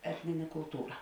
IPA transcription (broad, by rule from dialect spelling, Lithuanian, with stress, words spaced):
ˈæːtʲnʲɪnʲɛ kʊlˠˈtuːrɐ